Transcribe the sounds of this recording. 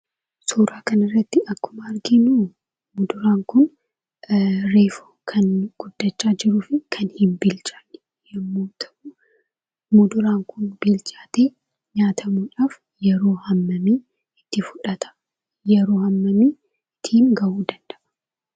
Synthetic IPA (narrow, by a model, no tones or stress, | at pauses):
suːɾaːkɐnɐrːɐt̪ːɪʔɐkːʊmɐɐɾɡiːnuː | mʊd̪ʊɾaːŋkʊn | ɾeːfoːkʰɐnɡ̥ʊd̪ːɐt͡ʃːaːd͡ʒɪɾuːfɪkʰɐnhɪmbɪlt͡ʃʼaːnɪ̥ | jɐmːoːt̪ʰɐ̥u | mʊd̪ʊɾaːŋkʊnbɪlt͡ʃʼaːt̪eː | ɲaːt̪ʰɐmuːᶑaːf | jɛɾo̞ːhɐmːɐmi | ɪt̪ːɪfʊᶑɐt̪ɐ̥ | jɛɾo̞ːhɐmːɐmi | t̪ʰiːmɡɐʔuːd̪ɐnd̪ɐʔɐ̥